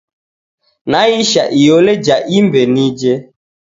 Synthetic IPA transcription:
naiʃaʔijoled͡ʒaʔimbenid͡ʒe

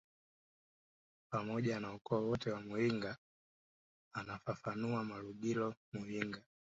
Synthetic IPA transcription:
pamɔʄanaukɔːwɔtɛwamuiŋɡa | nafafanuamaluɡilɔmuhiŋɡa

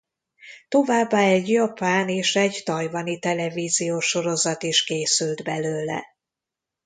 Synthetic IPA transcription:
t̪o̞vaːbːaːɛɟjɒpaːneːʃɛɟt̪ɒjvɒnit̪ɛlɛviːzijoːʃo̞ɾo̞zɒt̪iʃkeːsyld̪bɛløːlɛ̰

